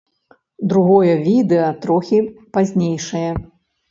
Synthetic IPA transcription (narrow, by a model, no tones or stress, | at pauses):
d̪ɾuɣɔjɐvʲid̪ɛɐt̪ɾɔxʲipazʲnʲejʂɐjɐ